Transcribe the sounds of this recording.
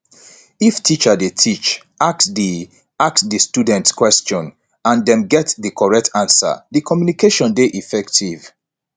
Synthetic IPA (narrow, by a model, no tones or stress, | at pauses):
iftʰit͡ʃədetʰit͡ʃ | aksdi | aksdistudɛ̃ntskwɛst͡ʃɔ̃n | ãndɛ̃mɡɛtdikʰɔɹɛk̚tʰãnsə̰ðikʰɔmjunikeʃɔ̃ndeʔifɛktʰiv